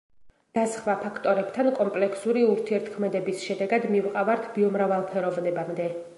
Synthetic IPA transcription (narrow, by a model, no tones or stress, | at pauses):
d̪̥asχwapʰakʰt̪ʼɔɾɛpt̪ʰankʼɔmpʼlɛksuɾiuɾt̪ʰiɛɾt̪ʰkʰmɛd̪ɛbisʃɛd̪ɛɡad̪mivqʼavaɾt̪ʰbiɔmɾavalˠpʰɛɾɔvnɛbamd̪ɛ